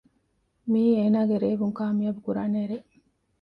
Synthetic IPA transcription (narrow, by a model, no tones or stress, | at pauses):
miːeːnaːɡeɾeːbuŋkaːmiɐbukuɾaːneːɾe